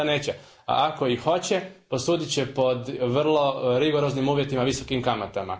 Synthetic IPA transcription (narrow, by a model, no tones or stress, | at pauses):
neːt͡ɕe | a̰ʔako̞ixo̞t͡ɕepo̞suːd̪it͡ɕepo̞d̪ʋr̩lˠo̞ɾiɡo̞ɾo̞znimuːʋje̞t̪imaʋiso̞kimkamat̪ama̰